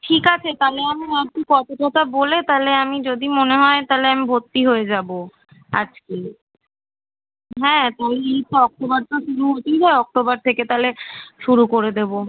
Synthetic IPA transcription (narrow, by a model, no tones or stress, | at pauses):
ʈʰikat͡ɕʰet̪aleamiakikɔt̪oʈɔt̪ʰabolet̪aleamid͡ʑod̪imoneɦɔet̪aleamibʱot̪ːiɦoed͡ʑabo | a̰d͡ʑke | ɦɛ̃t̪aleeit̪ːoɔk̚t̪obaɾʈoʃuɾuɦot̪ejɦaeɔk̚t̪obaɾt̪ʰeket̪aleʃuɾukoɾed̪ebo